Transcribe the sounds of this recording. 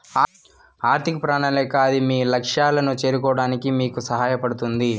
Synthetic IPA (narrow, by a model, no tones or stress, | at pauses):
aːɾt̪ʰikɐpɾaːɳɐlɛːkaːd̪imiːlɐkʂaːlɐnut͡ʃe̞ːɾukɔːɽaːnikimiːkusɐɦaːjɐpɐɽut̪und̪i